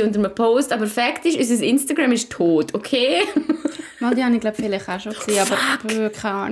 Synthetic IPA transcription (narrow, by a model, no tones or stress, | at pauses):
ʊntəɾməpʰoːstɑbəfɛktɪʃys̬əs̬ɪnstaɡɹɛmɪʃtʰoːtokʰeː | mɑldiɑniɡlaʊpfɪlɪχaʃoksiːɑbəɾkʰaɪɑːn